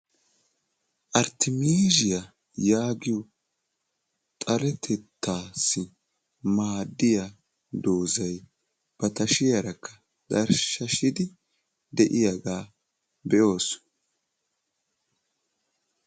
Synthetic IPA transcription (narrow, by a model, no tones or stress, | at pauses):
ʔɐɾt̪ʰɪmiːʒɪjɐ | jaːɡɪjɔ | t̪ʼɐɾɛt̪ʰɛt̪ʰːaːsːɪ | maːd̪ːɪja | d̪o̞ːzɐj | b̥ɐt̪ɐʃɪjɐɾɐkʰːɐ̥ | d̪ɐɾʃɐʃɪd̪ɪ | d̪ɛʔɪjaɡaː | bɛʔo̞ːs